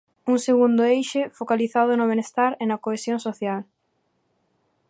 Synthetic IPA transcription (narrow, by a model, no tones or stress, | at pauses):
uŋseɣund̪ʊejʃefokaliθaðʊnʊβ̞enest̪aɾenɐkoesjõŋsoθjal